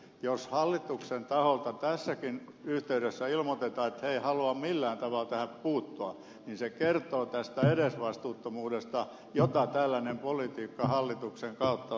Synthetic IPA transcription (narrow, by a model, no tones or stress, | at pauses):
joshɑlːit̪uksent̪ɑholt̪ɑt̪æsːækin | yht̪eyɾesːæilmot̪et̪ɑːet̪heihɑluɑmmilːæːnt̪ɑʋɑlt̪æhæppuːt̪ːuɑ | ninsekert̪oːt̪æst̪æeɾesʋɑst̪uːt̪ːomuːdest̪ɑ | jot̪ɑt̪ælːænempolit̪iːkːɑhɑlːit̪ukseŋkɑut̪ːɑ